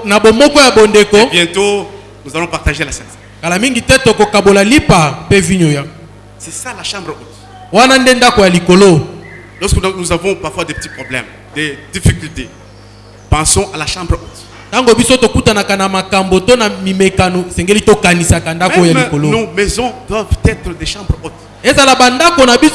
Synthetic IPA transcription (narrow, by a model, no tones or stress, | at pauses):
nabomɔkɔjabondekobjɛ̃to | nuzalɔ̃paʁt̪aʒelasɛ̃skalamiŋɡitɛtokokabolalipapeviɲoja | sɛsalaʃãbʁot | wanandendakojalikolo | lɔ̃sknuzavɔ̃paʁfwadepə̥t̪i̥pχɔblɛ̰m | d̥̪edifikylte | pãsɔ̃ʔalaʃɑ̃bʁot | taŋɡobisotokutanakanamakambotonamimekanoesɛŋɡelitokanisakandakkojalikolõmɛzɔ̃d̪wavtɛt̪ʁədeʃɑ̃bʁot | ezalabandakonabi